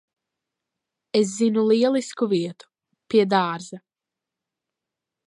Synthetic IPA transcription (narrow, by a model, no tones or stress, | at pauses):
es̬zinulˠiɛlˠiskuviɛt̪u̥ | piɛd̪aːɾza